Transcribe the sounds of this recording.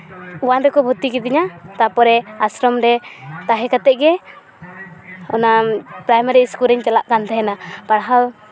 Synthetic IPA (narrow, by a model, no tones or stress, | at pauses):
uwanɾɛkɔbʱɔt̪ikɛd̪iɲat̪apɔɾɛasɾɔmɾɛt̪aɦɛkat̪ɛʔ̚ɡɛ | ɔnapɾajmaɾiskuliɲt͡ʃalaʔkant̪ʰɛɦɛnapaɽɦal